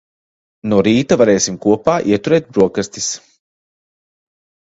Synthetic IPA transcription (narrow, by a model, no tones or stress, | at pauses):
nuɾiːt̪avaɾɛːsimkuɔpaːʔiɛt̪uɾɛːt̪̚bɾuɔkast̪is